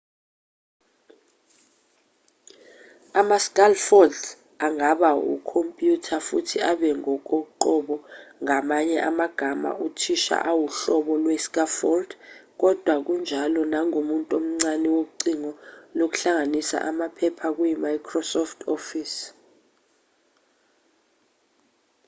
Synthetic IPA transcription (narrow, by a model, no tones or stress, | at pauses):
amaskʼalfɔld | aŋaɓaṵkʰompʼjutʰafutʰiaɓɛŋɔk̬ʼoǃɔɓɔŋamaɲɛʔamaɡ̥ʱama̰ʔutʰiʃa̰ʔawuɬɔɓɔlwɛskʼafɔld̥k̬ɔd̥ʱwak̬und͡ʒʱalɔnaŋomuntʼom̩ŋ͡ǀanɛwouǀiŋɔlok̬u̥ɬaŋanisa̰ʔamapʰɛpʰak̬ujimajkʰrɔsɔftʰofis